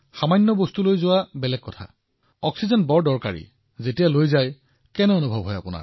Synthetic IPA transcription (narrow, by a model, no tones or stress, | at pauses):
xamajnːɔbostulojzʊwabɛlɛɡ̚kːɔtʰa̰ | ɔksizɔnbɔɹdɔɹka̰ɹḭ | zetijalojzaj | kɛnɛonubʱɔbɦɔja̰pʊna̰ɹ